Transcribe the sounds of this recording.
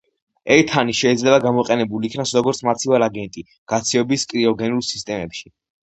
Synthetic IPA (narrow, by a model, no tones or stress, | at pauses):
ɛɾt̪ʰaniʃɛid̪zlɛbaɡamɔqʼɛnɛbuliːkʰnasɾɔɡɔɾt̪sʰmat̪sʰivalaɡɛnt̪ʼi | ɡ̥at̪sʰiɔbiskʼɾiɔɡɛnulˠsist̪ʼɛmɛpʃi